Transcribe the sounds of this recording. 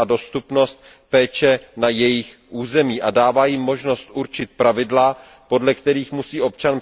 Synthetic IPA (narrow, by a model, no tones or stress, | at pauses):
ado̞st̪upno̞st̪̚ | pɛːt͡ʃɛnajɛjɪxʔuːzɛmiːʔadaːvaːjɪmːo̞ʒno̞st̪ʔuɾt͡ʃɪt̪̚pɾavɪdla | po̞dlɛkt̪ɛɾiːxmusiːo̞p̚t͡ʃan